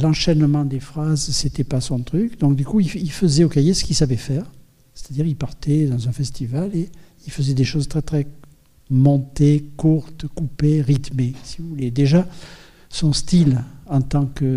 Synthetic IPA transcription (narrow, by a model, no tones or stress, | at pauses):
lɑ̃ʃɛnmɑ̃d̪efχazset̪ɛpasɔ̃t̪χykd̪ɔ̃k̚d̪ykuiilfəzɛokajesə̥kilsavɛfɛːʁ | se̥t̪ad̪iʁilpaʁt̪ɛd̪ɑ̃zɛ̃fɛst̪ivale | ilfəzɛd̪eʃozt̪χɛt̪χɛ | mɔ̃t̪ekuʁt̪kupeʁit̪mesivuvuled̪eʒa | sɔ̃st̪ilɑ̃t̪ɑ̃kə